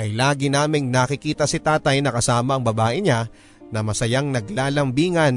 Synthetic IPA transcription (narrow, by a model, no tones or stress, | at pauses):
ʔɐjlaːɡɪnaːmɪŋnakɪkiːt̪ɐsɪt̪aːt̪ɐjnɐkɐsaːmɐʔɐŋbɐbaːʔɪɲa | nɐmɐsɐjaŋnɐɡlaːlɐmbiːŋɐn